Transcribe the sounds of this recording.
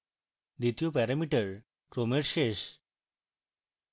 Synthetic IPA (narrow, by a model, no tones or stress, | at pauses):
d̪it̪ijopɛɾamiʈəɾ | kɾomeɾʃeʃ